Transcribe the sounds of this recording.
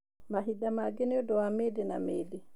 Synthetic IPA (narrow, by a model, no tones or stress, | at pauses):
maɦiɗamaɡɛnɛɔdɔwamedɛnamedɛ